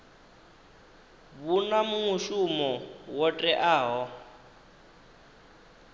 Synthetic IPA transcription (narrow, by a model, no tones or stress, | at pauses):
βunamumuʃumɔwɔtʼɛʔaːɦɔ